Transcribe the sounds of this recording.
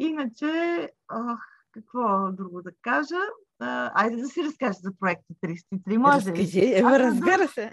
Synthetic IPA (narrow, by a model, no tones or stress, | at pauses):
inət͡ʃɛɔx | kɐkvɔd̪ɾuɡod̪ɐkaʒə | a̰jd̪ɛd̪ɐsiɾɐskaʒəzɐpɾoɛk̚t̪ət̪ɾist̪it̪ɾimɔʒɛkɐʒɛvɾɐzbiɾəsɛ